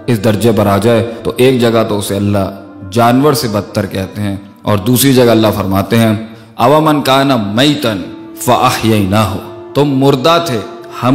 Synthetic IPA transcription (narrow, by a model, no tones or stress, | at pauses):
ɪsd̪ɐɾd͡ʒepɐɾaːd͡ʒaːet̪oʔeːk̚d͡ʒɐɡat̪oʊseɐlːa | d͡ʒaːnwəɾsebɐt̪ːəɾkɛɦt̪eɦɛ̃ː | ɔːɾd̪uːsɾid͡ʒɐɡaɐlːafɐɾmaːt̪eɦɛ̃ː | ɐwamɐnkaːnamɐjt̪ən | fɐʔɐhjɐɪnaːɦʊt̪ʊmːʊɾd̪at̪ʰeː | hɐ